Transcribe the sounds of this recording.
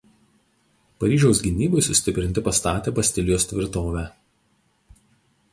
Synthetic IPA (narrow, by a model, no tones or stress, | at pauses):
pɐɾʲiːʒʲɛʊsɡʲɪnʲiːbɐɪsʊsʲt̪ʲɪpʲɾʲɪnʲt̪ʲɪpɐst̪ɑːt̪ʲeːbɐsʲt̪ʲɪlʲɪjoːsʲt̪ʲʋʲɪɾt̪oːʋʲæː